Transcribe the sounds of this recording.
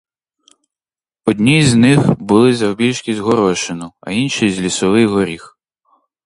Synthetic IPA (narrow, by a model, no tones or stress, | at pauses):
ɔd̪ʲnʲizʲnɪxbʊlˠɪzɐwbʲilʲʃkʲizʲɦɔɾɔʃɪnʊɐ̰inʃijzʲlʲisɔʋɪjɦɔɾʲix